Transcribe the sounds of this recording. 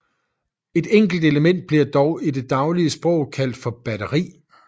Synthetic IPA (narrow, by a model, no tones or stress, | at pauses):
e̝d̥eŋ̰ɡ̥l̩d̥e̝ləmen̰d̥̚b̥liɐ̰d̥ɒʊide̝d̥ɑ̈ʊliəsb̥ʁɔ̰̽ʊkʰæl̰d̥fɒ̽b̥æɾəʁḭː